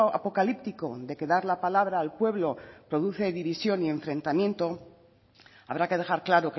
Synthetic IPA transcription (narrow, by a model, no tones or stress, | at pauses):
a̰po̞kalip̚t̪iko̞ðe̞ke̞ðaɾlapalaβɾaːlpwe̞βlo̞pɾo̞ðuθe̞ðiβisjo̞nie̞ɱfɾẽ̞nt̪amje̞nt̪o̞ | a̰βɾake̞ð̞e̞xaɾklaɾo̞k